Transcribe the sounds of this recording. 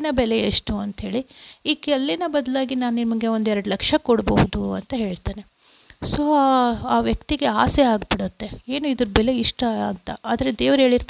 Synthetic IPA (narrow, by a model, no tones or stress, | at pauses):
nɐbɛleeʂʈuɐnt̪ɦeːɭiiːkɛlːinɐbɐd̪ɐlaːɡinaːnimuŋɡe̞o̞nd̪ɛɾɐɽulɐkʂɐkɔɽbɐɦud̪uɐnt̪ɐɦe̞ːɭt̪aːne̞ | so̞ːaːʋjɐkt̪iɡe̞aːseaːɡ̚biɽut̪ːe̞eːnuid̪ɐɾɐbɛle̞iʂʈɐɐnt̪ɐaːd̪ɐɾed̪eːʋɐɾɦe̞ːɭiɾt̪